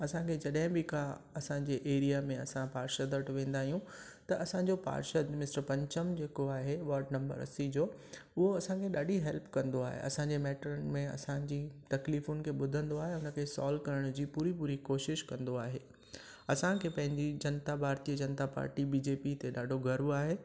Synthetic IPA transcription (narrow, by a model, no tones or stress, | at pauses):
ɐsãkʰeːd͡ʑɐɗɦɪ̃bɪkʰaɐsãɲd͡ʑeʔeːɾijamẽɐsãpaːɾʃəd̪əʈʋẽːn̆d̪aːɦijũ | t̪ɐʔɐsãɲd͡ʑopa̰ːɾʃəd̪mɪsʈəɾpɐ̃ɲt͡ɕəmd͡ʑeːkoaːɦeʋaːɾɖnɐ̃mbə̰ɾɐ̰sid͡ʑoː | ʊɦoɐsãkʰeɗaːɖʱiɦɛlpkɐ̃nd̪oa̰ːɦḛɐ̰sãɲd͡ʑemɛːʈɾən̆mẽɐ̰sãd͡ʑiːt̪ɐkliːfʊnɪ̆kʰeːɓʊd̪ʱə̃nd̪oaːɦeʊnə̆kʰeːsɔ̰ːlkɐɾəɽ̃d͡ʑiːpuːɾipuːɾikoːʃɪʃkɐ̃nd̪oaːɦeː | ɐsãkʰeːpɐ̃ɦɪ̃ɲd͡ʑid͡ʑɐnt̪abʱaːɾt̪iəd͡ʑɐnt̪apa̰ːɾʈibiːd͡ʑeːpit̪eɗaːɖʱoɡʱɐɾuaːɦeː